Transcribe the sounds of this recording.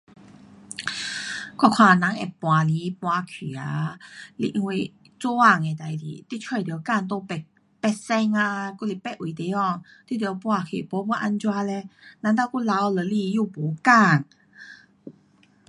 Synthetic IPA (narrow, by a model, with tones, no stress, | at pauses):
kwɔ˥˧˩kʰwã˧˩nã˨˦ŋḛ˨˩pw̃a˨li˨˦pwa˧kʰi˨˩a˨˦li˧ʔi˧ŋwi˧˩ | t͡su˦a˥˧˨ŋe˨˩t̪a˨jdḭ˨t̪i˦˥t͡ɕʰɔ˧˩˨t̪i˨ə˦ka˥˧˨nt̪̬o˧pɛ˧˩ | pɛ˧˩sɛ˧ŋa˧ku˥˧˨li˧˩pɛ˧ʔ̚wu˨˦t̪e˨˦ɔ˧˨t̪i˧˥˨d̪wpwa˧˩kʰḭ˨˩po˨˧˦bɔ˧˦ʔa˧nt͡ɕwa˧lɛ˧nã˧˦ŋt̪̬a˧ku˥˧˨la˧˦wlə˨˧˦li˧ju˥˧po˨˦ka˥˧˨ŋ